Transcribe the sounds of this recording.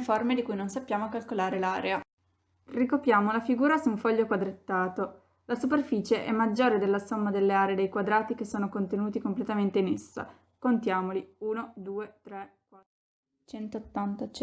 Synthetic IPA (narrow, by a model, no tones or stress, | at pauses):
formed̪ikujnonsapːjaːmokalkolaːɾelaːɾea | rikopjaːmolafiɡuːɾasuuɱfɔʎːokwad̪ɾet̪ːaːt̪o | lasuperfiːt͡ʃeʔɛ̰mːad͡ʒːoːɾed̪elːasomːad̪elːeaːɾeːd̪ejkwad̪ɾaːt̪ik̟esːoːnokont̪enuːt̪ikomplet̪ament̪einesːa̰ | kont̪jaːmoliuːnod̪uːet̪ɾɛkwat̪ːɾo | t͡ʃɛnt̪oːt̪ːant̪a